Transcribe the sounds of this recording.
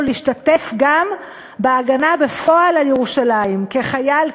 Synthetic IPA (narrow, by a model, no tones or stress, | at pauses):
liiʃtate̞fɡam | beaɡanabe̞fo̞alaljeʁuʃalaimke̞χajal